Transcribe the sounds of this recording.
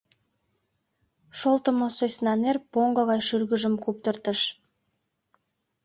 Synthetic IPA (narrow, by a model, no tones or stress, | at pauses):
ʃolˠt̪ə̆mosojsʲnɑnerpoŋɡɤɣɑjʃyrɣəʒə̆mkup̚t̪ə̆rt̪ə̆ʃ